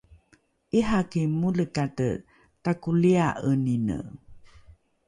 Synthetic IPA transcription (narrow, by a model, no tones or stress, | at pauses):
ʔiɦakemuləkatə̰ | takuliaʔəninə̰